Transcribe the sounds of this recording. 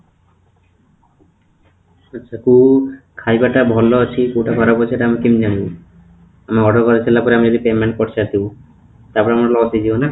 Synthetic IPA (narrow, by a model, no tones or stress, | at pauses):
atːʃʰakukʰajbaʈabʱɔlːɔt͡ʃʰikuʈakʰɔɾapɔeʈaamikimd͡ʒanibɔ | amaɔɖʱɔɾkɔɾet͡ɕʰilapɔɾeamid͡ʒɔd̪ipemeɳʈ̚kɔʈt͡ʃʰiasibu | t̪apɔɾeamalɔsid͡ʒiɔna